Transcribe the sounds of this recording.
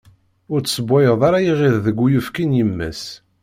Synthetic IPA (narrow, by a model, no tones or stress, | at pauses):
ʊɾt͡sːsəbːæjəðˤaɾajiʁiððəɡʷːujufkinjəmːæ̰s